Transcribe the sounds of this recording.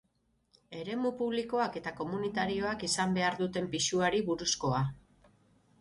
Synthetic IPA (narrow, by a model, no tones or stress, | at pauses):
e̞ɾe̞mupuβliko̞ake̞t̪ako̞munit̪aɾio̞akisambe̞aɾðut̪e̞mpiʃuaɾiβuɾusko̞a